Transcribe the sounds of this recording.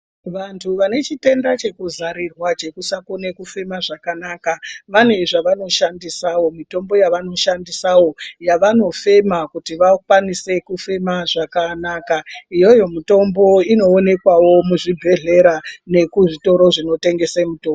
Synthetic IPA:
ʋantʰuʋane̞t͡ʃite̞ndat͡ʃe̞kuzaɾirwat͡ʃe̞kusakone̞kufe̞maʐakanaːkaʋane̞ʐaʋano̞ʃandisawo̞mito̞mbo̞jaʋano̞ʃandisawo̞jaʋano̞fe̞makutiʋakwanise̞kufe̞maʐakanakaijo̞jo̞mito̞mbo̞ino̞ːne̞kwawo̞muʐibʱe̞ɮe̞ɾane̞kuʐito̞ɾo̞ʐino̞te̞ŋɡe̞semutoːmb

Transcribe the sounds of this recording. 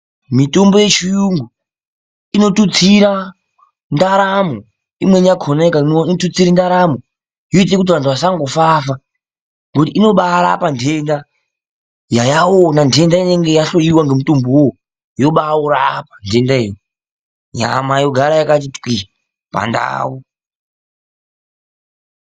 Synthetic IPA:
mito̞mboje̞t͡ʃijuŋɡu | ino̞tut͡siɾa | ndaɾamo | imweɲakʰonakanotut͡siɾindaɾamo | joit̬ekut̬iʋantʰuʋasaŋɡofafa | ŋɡotiino̞ɓaɾa̰pandʰʱenda | jajawonandʱe̞ndaine̞ŋɡejaɬoiwaŋɡemutumbuwo | jo̞ɓauɾaːpḁndʱe̞ndaej | ɲa̰majo̞ɡʱaɾajakat̬itkwi | pa̰nda̰ːwu

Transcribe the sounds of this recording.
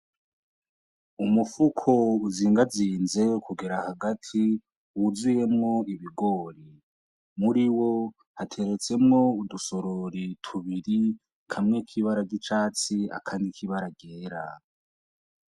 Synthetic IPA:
umufukʰo̞uziːŋɡaziːnze̞kuɡeɾahaɡatʰi | wuzuje̞mŋo̞iβiɡo̞ːɾi | muɾiwo̞ | hatʰe̞ɾe̞t͡se̞mŋo̞uduso̞ɾoɾitʰuβiɾi | kʰamŋekʰiβaɾaɟit͡ʃaːt͡sia̰kʰaːndikiβaɾaɟeːɾa̰

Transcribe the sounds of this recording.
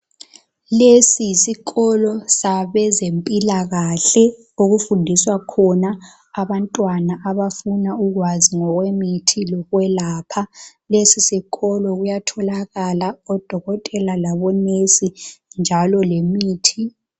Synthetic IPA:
lesijisiɣɔlɔsaβɛzempʼilaɣaɬɛ | oɣufundʱiswakʰɔnaː | βantʼwanaʔaβafunauɣwaziŋɔɣwemitʰilɔɣwɛlaːpʰalesisiɣɔlɔɣujatʰɔlaɣalaɔd̥ʱɔɣɔtʼɛlalaβɔnesind͡ʒʱalɔlemiːtʰi

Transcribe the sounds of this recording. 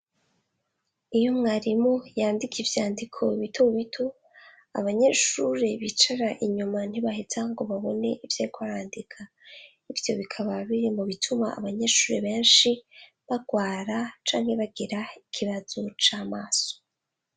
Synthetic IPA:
ijo̞mŋaːɾimojaːndikivjaːndikʰo̞iβitouβitʰo̞ | a̰βaɲe̞ʃuɾe̞βit͡ʃaɾaʔiɲuman̥iβahezaŋɡo̞βaβo̞ne̞ʔivjekoaɾaːndikʰa | ivjo̞βikʰaβaβiɾimuβitʰuma̰ːβaɲe̞ʃuːɾe̞βe̞ːnʃi | βaɡwaːɾat͡ʃaːŋhe̞βaɡiɾaikʰiβazot͡ʃaːmaːso̥

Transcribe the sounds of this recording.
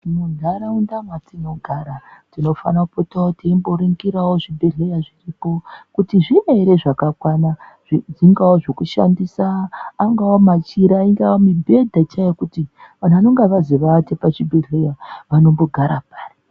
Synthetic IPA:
inonʱaɾaundamatino̞ɡʱaɾatino̞fanaupotaotiimbo̞ɾiŋɡiɾawoʐibʱeɮejaʐiripo̞kutiʐineiɾe̞ʐakakwanaʐid͡ziŋɡawoʐokuʃa̰ndisaːŋɡawomat͡ʃiɾaiŋɡawomibʱe̞dʱat͡ʃajekutiʋan̤uʋano̞ŋɡeʋaziʋatepat͡ʃibʱeɮejaʋano̞mbo̞ɡʱaɾapaːri

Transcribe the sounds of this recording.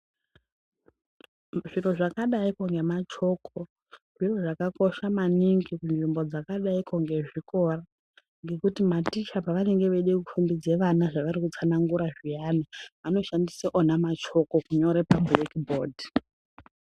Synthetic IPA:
ʐiro̞ʐakaɗaikoŋɡe̞mat͡ʃo̞kʰo | ʐiroʐakako̞ʃamaniŋɡikunʐimbo̞d͡zakaɗaikoŋɡe̞ʐiko̞ra | ŋɡe̞kutimatit͡ʃapaʋane̞ŋɡe̞ʋeɗekufumbid͡zeʋanaʐaʋaɾikut͡sanaŋɡuɾaʐijanaʋano̞ʃandiseʔonamat͡ʃo̞ko̞kuɲo̞ɾe̞pablekbo̞ːdʱi

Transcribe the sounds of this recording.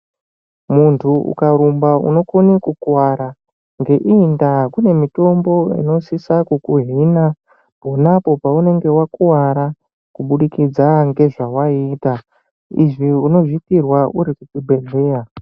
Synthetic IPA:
muntʰuṵkaɾumbaṵno̞konikukuwaɾa | ŋɡe̞ʔiːndakune̞mito̞mbo̞ḭno̞sisakukuɦina | po̞napo̞paune̞ŋɡe̞wakuwaɾa | kuɓuɗikid͡zaŋɡe̞ʐawaiːta | ḭʐiuno̞ʐikirwauɾikukubʱeɮeːja

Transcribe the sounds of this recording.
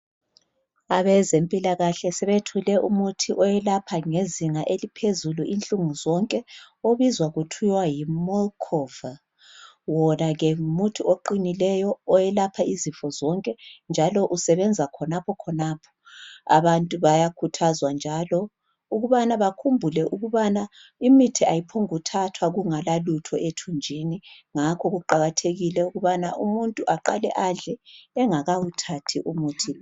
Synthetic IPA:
aβɛzempʼilaɣaɬɛsɛβetʰulɛʔumutʰiʔɔjɛlapʰaŋeziŋaʔelipʰezuluʔint͡ɬʼuŋuzɔŋkʼɛ | oβizwaɣutʰujwajimɔlkʰɔva | wɔnaɣɛmutʰuoǃinilɛjɔːjɛlapʰaizifɔzɔŋkʼɛnd͡ʒʱalɔʔusɛβɛnd͡zʱakʰɔnapʰɔkʰɔnapʰɔ̥ | a̰βantʼuβajakʰutʰazwand͡ʒʱalɔ | uɣuβanaβakʰumbʱulɛʔuɣuβana | imitʰiajipʰoŋutʰatʰwaɣuŋalalutʰɔʔetʰund͡ʒʱiniŋakʰɔɣuǃaɣatʰeɣilɛuɣuβanaʔumuntʼuʔaǃa̰lɛʔaɮɛɛŋaɣawutʰatʰiʔumuːtʰi

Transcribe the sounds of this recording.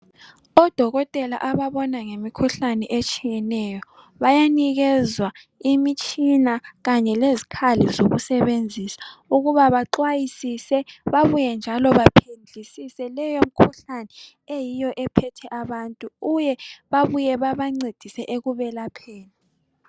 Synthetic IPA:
ɔd̥ʱɔɣɔtʼɛla̰ʔaβaβɔnaŋemikʰuɬanɛʔet͡ʃʼijɛnɛjɔ | βajaniɣɛzwa | imit͡ʃʼinaɣaɲɛlezikʰalizoɣusɛβend͡zʱisḁuɣuβaβaǃwajisisɛβaβujɛnd͡ʒʱalɔβapʰend͡ɮʱisisɛlɛjom̩kʰuɬanɛ | ejijɔʔɛpʰɛtʰɛʔaβantʼuɣujɛβaβujɛβaβaŋ͡ǀed̥ʱisɛʔeɣuβɛlapʰɛːla

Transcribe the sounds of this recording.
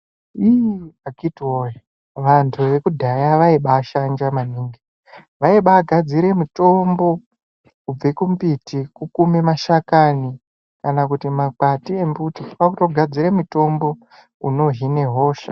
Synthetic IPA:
iaɡitwoja | ʋantʰuʋe̞kudʱajaʋaiɓaːʃand͡ʒamaniːŋɡi | ʋaiɓaːɡʱad͡ziɾe̞muto̞mbo̞ | kub͡vekumpitikukumemaʃakani | kanakutimakatie̞mbutiakutoɡʱad͡ziɾe̞muto̞mbo̞ | uno̞ɦine̞ɦo̞ːʃa̰

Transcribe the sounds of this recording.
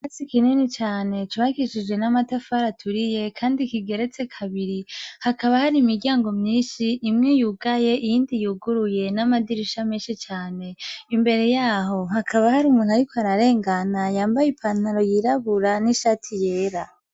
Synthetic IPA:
esikininit͡ʃaːne̞t͡ʃuβakiʃid͡ʒɡe̞namatafaɾatʰuɾije̞kʰaːndikiɡe̞ɾet͡se̞kʰaβiɾihakaβahaɾimiɾɟaːŋɡo̞mɲiːnʃiːmŋejuːɡaje̞ʔijiːndijuːɡuɾuje̞namadiɾiʃamiːnʃit͡ʃaːne̞imbe̞ɾe̞jaːho̞hakʰaβahaɾiumuːnhaɾikoaɾaɾe̞ːŋɡanajaːmbajipʰan̥haɾo̞jiɾaβuɾaniʃaːtʰije̞ːɾa

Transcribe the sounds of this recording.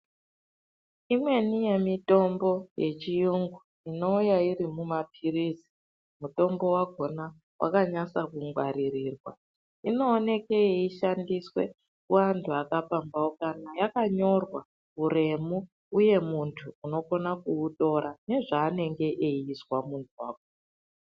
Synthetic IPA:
imwe̞nije̞mito̞mbo̞je̞̰t͡ʃijuŋɡu | ino̞ujairimumap̚ʰirizi̥ | muto̞mbo̞waɡʱo̞na | wʔa̰kaɲasakuŋɡwaɾiriːrwa̰ | ino̞ːne̞keeiʃandiswe̞̰ | kuwantʰuakapambawokanajakaɲo̞rwa | uɾe̞mu | uje̞muntʰuːno̞ko̞nakuːto̞ɾane̞ʐaːne̞ŋɡe̞ʔeiswamuntʰuwaːko

